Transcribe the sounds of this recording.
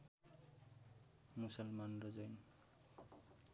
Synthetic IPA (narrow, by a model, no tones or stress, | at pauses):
musʌlmanrʌzʌjn